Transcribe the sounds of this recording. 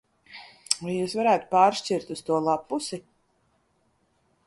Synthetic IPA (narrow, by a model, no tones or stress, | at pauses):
vajuːsvaɾæːt̪u̥paːɾʃt͡ʃiɾt̪ust̪uɔlˠapːusi